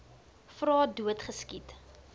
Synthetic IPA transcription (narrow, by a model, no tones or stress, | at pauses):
frɑːduətχəskit